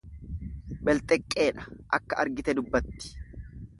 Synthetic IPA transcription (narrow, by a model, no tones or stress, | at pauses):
bɛlt̪ʼɛkʼːe̞ːᶑɐ̥ʔɐkːɐʔɐɾɡɪt̪ɛd̪ʊbːɐt̪ːɪ̥